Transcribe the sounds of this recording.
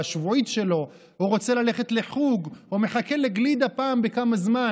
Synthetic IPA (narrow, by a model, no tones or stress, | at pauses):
aʃvuʕitʃe̞lo̞ | uʁo̞t͡se̞lale̞χe̞tle̞ħuɡome̞χake̞leɡlid̪apaːmbekamazma